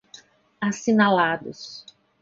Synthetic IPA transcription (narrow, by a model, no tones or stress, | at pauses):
asinalad̪ʊs